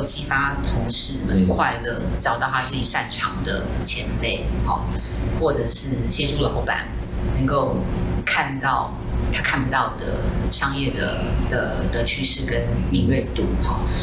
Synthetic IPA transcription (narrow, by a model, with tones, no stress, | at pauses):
t͡ɕi˧˥fa˦t̪ʰo˧˥ŋʂɻ̩˧˥mə˨˦nkʰwa˥˧ɪlə˥˩ʈ͡ʂɑ˨ʊt̪ɑ˥˩ʊt̪ʰa˥t͡sɹ̩ɨ˥˩t͡ɕi˨˩ʂa˥˩nʈ͡ʂʰɑ˨˩ŋd̪ə̰˩t͡ɕʰjɛ˧˥npe˥˩ɪxɔ̰˨˩ | xwɔ˥˨˩ʈ͡ʂɤ˨˩ʂɻ̩˥˩t͡ɕjɛ˥ʈ͡ʂʰu˥˩lə˨˩xo˧˥ʊpa̰˨˩n | nə˧˥ŋko˥˧ʊkʰa˥˧nt̪ɑ˥˩ʊ | t̪ʰa˥kʰa˥˩npu˧˩t̪ɑ˥˩ʊd̪ə̰˩ʂɑ˥ŋjɛ˥˩d̪ə̰˩d̪̥ə˩d̪ə˧˦t͡ɕʰy˥˧ʂɻ̩˥˩kə˦˥nmi˨˧˩ŋɥɛ˥˧ɪt̪ṵ˥˩xɔ̰˨˩